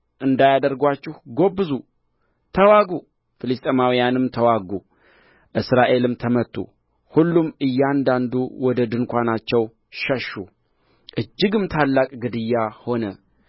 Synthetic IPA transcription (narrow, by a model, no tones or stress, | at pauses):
ʔɨnd̪ajad̪əɾɡwat͡ʃːɪhɡo̞bːɨzu | t̪ʰəwaɡu | fɨlɨst̪ʼəmawijanɨmt̪ʰəwaɡu | ʔɨsɾaʔe̞lɨmt̪ʰəmət̪ʼːṵ | hulːumʔɨjːɛand̪and̪uwɔd̪əd̪ɨnkʷanat͡ʃːɛw | ʃəʃːu | ʔɨd͡ʒːɪɡɨmt̪ʰalːakʼɡɨd̪ɨjːaho̞nə